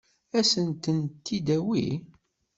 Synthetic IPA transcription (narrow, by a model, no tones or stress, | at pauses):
æsənt̪ənt̪ːid̪æwḭ